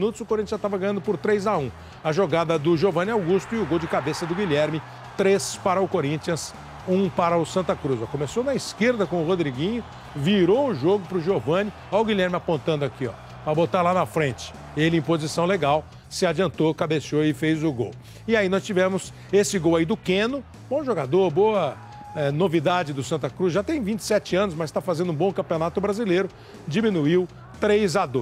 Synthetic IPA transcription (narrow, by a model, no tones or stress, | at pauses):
nut̪ʊzʊkoɾĩt͡ʃiɐ̃st̪avɐɡɐ̃j̃ɐ̃nd̪ʊpʊɾt̪ɾejzaũ | ɐʒoɡad̪ɐd̪ʊʒovɐ̃nɪawɡust̪ʊɪʊɡowd͡ʒɪkabesɐd̪ʊɡilɛɾmɪ | t̪ɾespaɾɐʊkoɾĩnt͡ʃiɐ̃s | ũpaɾɐʊsɐ̃nt̪ɐkɾuzɔkõmesonɐiskeɾd̪ɐkõʊhod̪ɾiɡĩɲʊ | viɾoʊʒoɡʊpɾʊʒovɐ̃nɪ | aʊɡiʎɛɾmɪapõnt̪ɐ̃nd̪ʊakiɔ̰ | pɐbot̪aɾlanɐfɾẽt͡ʃɪ̥ | elɪẽj̃pozisɐ̃w̃leɡaw | sɪad͡ʒiɐ̃nt̪okabeʃoɪfejzʊɡo̰w | ɪainɔst͡ʃivɛ̃mʊs | esɪɡowaid̪ʊkẽnʊ | bõʒoɡad̪oɾboɐ | ɛnovid̪ad͡ʒɪd̪ʊsɐ̃nt̪ɐkɾusʒat̪ẽj̃vĩnt͡ʃɪ̥sɛt͡ʃɪɐ̃nʊs̬mɐzɪst̪afazẽnd̪ʊũbõkɐ̃mpionat̪ʊbɾazileɾʊ | d͡ʒimĩnuiw | t̪ɾejzad̪o